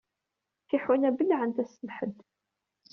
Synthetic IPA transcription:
θiħwənæbəlːʕənt̪æsəmħəd̪

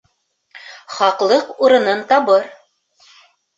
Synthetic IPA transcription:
χɑqlˠɤquɾɤ̆nɤnt̪ɑβɤɾ

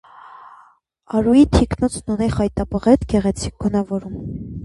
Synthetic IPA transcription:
ɑɾujit̪ʰiknɔt͡sʰnunɛχɑjt̪ɑpəʁɛt̪ɡɛʁɛt͡sʰik̚ɡɔnɑvɔɾum

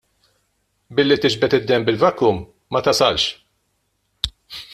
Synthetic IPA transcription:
bɪlːit̪ɪd͡ʒbɛt̪ɪd̪ːɛmbɪlvɐkːuːmː | ɐt̪ɐsɐlʃ

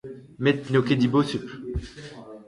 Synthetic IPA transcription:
mɛt̪noked̪ibosyp

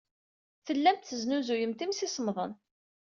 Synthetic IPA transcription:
θəlːæmt̪θəznuzujəmt̪imsisəmðˤə̰n

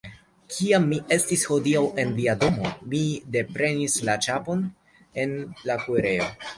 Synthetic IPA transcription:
kʰiamːiʔe̞stisho̞diawe̞nviado̞mo̞mide̞pɾe̞nislat͡ʃapo̞n | e̞nlakueɾe̞o̞̰

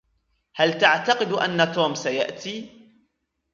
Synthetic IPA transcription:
halt̪aʕt̪aqɨd̪ʔa̰nːat̪oːmsaja̰ʔt̪iː

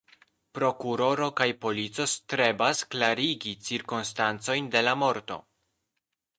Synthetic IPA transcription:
pɾo̞kuɾo̞ɾo̞kajpo̞lit͡so̞stɾe̞basklaɾiɡit͡siɾkonstant͡so̞jnde̞lamo̞ɾto̰

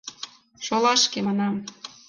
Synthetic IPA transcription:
ʃolɑʃkemɑnɑm

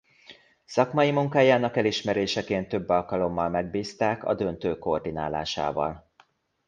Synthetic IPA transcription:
sɒkmɒjimuŋkaːjaːnɒkɛliʃmɛɾeːʃɛkeːnt̪ːø̞bːɒlkɒlo̞mːɒlmɛɡbiːst̪aːkɒ̰d̪ø̞nt̪øːko̞rd̪ina̰ːla̰ːʃa̰ːvɒ̰l

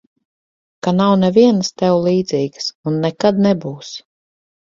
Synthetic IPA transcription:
kanawnɛviɛnst̪ɛwlˠiːd̪ziːɡsunːɛkad̪nɛbuːs

